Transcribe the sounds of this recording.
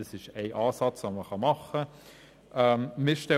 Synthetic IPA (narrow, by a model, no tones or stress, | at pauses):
əsɪʃɛɪʔɑːsɑt͡soːməχɑmɑχə | ʔəmmɪʃtɛ